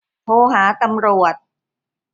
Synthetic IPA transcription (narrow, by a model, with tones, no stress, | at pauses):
oː˨˦ɦaː˩˦t̪a˧mɾu˨˩ət̪̚